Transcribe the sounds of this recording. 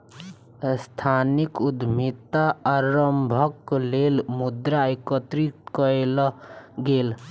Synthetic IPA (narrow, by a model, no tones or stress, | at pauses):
st̪ʰanikud̪mit̪aaɾəmbʱəkleːlmud̪ɾaikət̪ɾiʈkəelɡeːl